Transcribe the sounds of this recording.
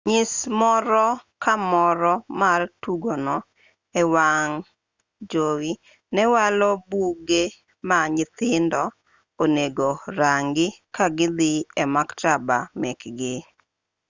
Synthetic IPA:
ɲɪsmɔɾɔkamɔɾɔmartuɡonɔ | ɛwaŋ | d͡ʒowi | nɛwalɔbuɡe | maɲɪt̪ɪndɔ | oneɡoɾaŋɡɪkaɡɪd̪ɪɛmaktaba̰mɛkɡe

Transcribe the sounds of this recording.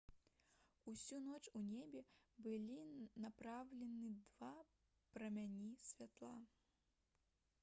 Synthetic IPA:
usʲunɔt͡ʂunʲebʲɛbɨlʲinapɾawlʲɛnɨd̪va | pɾɐmʲanʲisʲvʲat̪lˠa

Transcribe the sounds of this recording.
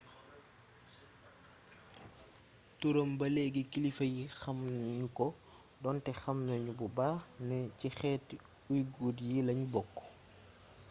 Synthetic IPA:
tuɾəmbɐlɛːɡikilifɐjixɐmnɲukɔ | dɔntɛxɐmnɐɲububaːnɛcixɛːt | ujɡuːdjilɐɲbɔkː

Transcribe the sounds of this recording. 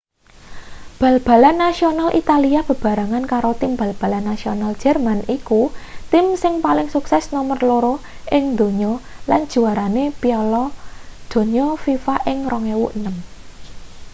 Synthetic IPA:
b̥ä̤lb̥a̤lanːasionalʔit̪aliab̥ə̤b̥a̤ɾaŋankaɾot̪imb̥a̤lb̥a̤lanːasionald̥ʒ̥ɛ̤rmanikut̪ɪmsɪŋpalɪŋsuksɛsnɔmərloɾo | ʔɪŋd̪̥o̤ɲɔland̥d͡ʒʒ̥ṳaɾanepiɔlɔd̪̥o̤ɲɔfifaʔɪŋrɔŋewṵʔənəm

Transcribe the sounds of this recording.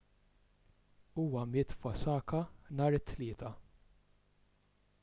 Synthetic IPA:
uːwɐmɪːt̪fɔsɐːkɐnɐːɾɪt̪ʰːlɪːt̪ɐ

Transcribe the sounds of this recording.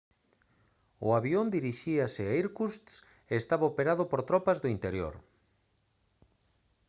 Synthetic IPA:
ʊ̰aβjond̪iɾiʃiasɪaiɾkust̪s | eːst̪aβaopeɾaðʊpoɾt̪ɾɔpazðoint̪eɾjo̰ɾ

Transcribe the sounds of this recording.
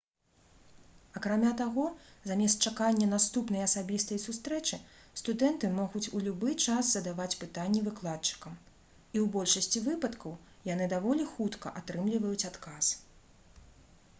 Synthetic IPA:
ɐkɾamʲat̪aɣɔzamʲɛst̪t͡ʂakanʲːɐnast̪upnɐjɐsabʲist̪ɐjsust̪ɾɛt͡ʂɨst̪ud̪ɛnt̪ɨmɔɣut͡sʲulʲubɨt͡ʂazzɐd̪avat͡sʲpɨt̪anʲːɛvɨklˠat̪̚t͡ʂɨ̥kɐm | iwbɔlʲʂɐsʲt͡sʲivɨpɐt̪kɐw | janɨd̪avɔlʲixut̪kɐ̰ʔat̪ɾɨmlʲivɐjut͡sʲat̪kas

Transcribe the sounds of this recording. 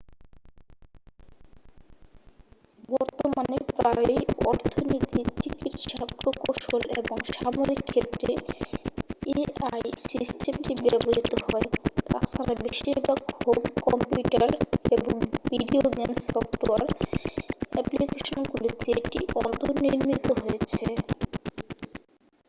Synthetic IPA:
bɔɾt̪omanepɾajɔɾt̪ʰonit̪it͡ɕikit̪ʃapɾokoʃoleboŋʃamoɾikʰːet̪ːɾe | eajsisʈemʈibɛboɾit̪ohɔet̪a̰t͡ɕʰaɾabeʃiɾbakhomkɔmpjuʈaɾeboŋviɖioɡensɔftʈoaɾ | ɛ̰plikeʃonɡulit̪eeʈḭʔɔnt̪oɾniɾmit̪oɦoet͡ɕʰe

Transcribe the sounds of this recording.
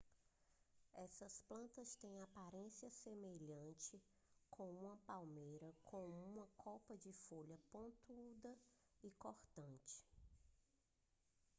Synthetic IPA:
ɛsɐsplɐ̃nt̪ɐst̪ẽj̃apaɾẽsiɐsemeʎɐ̃t͡ʃɪ | kʰõw̃ũmɐpawmejɾɐkʰõw̃ũmɐkʰɔwpɐd͡ʒɪfoʎɐpõnt̪uud̪ɐ | ɪkoɾt̪ɐ̃t͡ʃɪ̥

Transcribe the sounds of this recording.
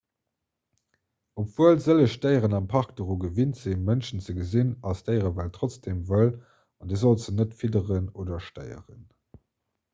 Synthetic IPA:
opv̥uəlzələʃtəɪəʁənɑmpʰɑʁk̚d̥əʁuːɡəvintz̥emənʃənt͡səɡəzinɑstəɪəʁəvæltʁot͡sd̥emvəl | ɑndiːzolzənətfidəʁənoːdɐʃtə̰ɪə̰ʁən

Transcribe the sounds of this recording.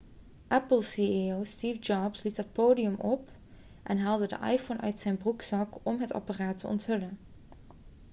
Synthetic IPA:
ʔɛpəlˠsiowstiːvd͡ʒɑbslitɦət̚poːdijəmʔɔp | ʔɛnɦaːlˠdədə̰ʔɑ̰jfownʔœ̰ɥtsɛjnbruksɑkɔmɦətɑ̰paraːtəʔɔ̰ntɦɵlən

